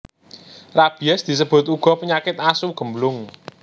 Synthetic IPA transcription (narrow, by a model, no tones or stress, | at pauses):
rab̥i̤ɛsd̪̥i̤s̬əb̥ʊ̤t̪uɡ̥ɔ̤pəɲakɪt̪̚asuɡ̥ə̤mlʊŋ